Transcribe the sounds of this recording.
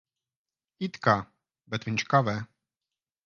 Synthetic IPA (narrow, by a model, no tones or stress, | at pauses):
it̪ka | bɛt̪vɪnʲt͡ʃkavɛ